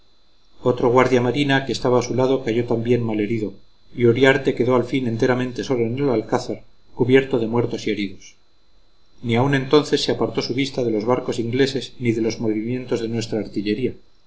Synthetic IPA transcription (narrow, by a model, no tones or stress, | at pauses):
o̞t̪ɾoɣwaɾðjamaɾinakeːst̪aβaːsulaðo̞kaʝot̪ambje̞nmale̞ɾiðo̞ | ioɾjaɾt̪e̞ke̞ðo̞alfine̞nt̪e̞ɾamẽ̞nt̪e̞so̞lo̞enelalkaθaɾ | kuβje̞ɾt̪o̞ðe̞mwe̞ɾt̪o̞sie̞ɾiðo̞s | niaunẽ̞nt̪o̞nθe̞sːeapaɾt̪o̞suβist̪aðe̞lo̞zβ̞aɾko̞siŋɡle̞se̞zniðe̞lo̞zmo̞βimjẽ̞nt̪o̞zðe̞nwe̞st̪ɾaːɾt̪iʎe̞ɾia